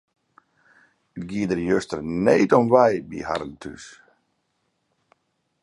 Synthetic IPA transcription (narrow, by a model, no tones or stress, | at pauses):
əɡiədərjøstərneːtɔmʋajbḭha̰ɾltʰy̰s